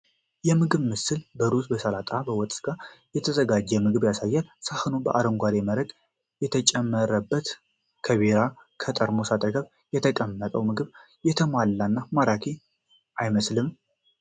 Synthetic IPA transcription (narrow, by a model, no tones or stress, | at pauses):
jɛmɨɡɨβmɨsɨlbəɾusbəsəlat̪ʼabəwɔt̪ʼsɡajɛt̪ʰəzəɡad͡ʒːɛmɨɡɨβjasajːalsahɨnubə̰ʔaɾəŋɡʷad̪eməɾəɡ | jɛt̪ʰət͡ʃʼɛmːəɾəbːət̪ | kʰəβeɾa | kʰət̪ʼəɾmo̞sat̪ʼəɡəβ | jɛt̪ʰəkʼəmːət̪ʼəwmɨɡɨβ | jɛt̪ʰəmalːanːamaɾakʰe | ʔajməslɨm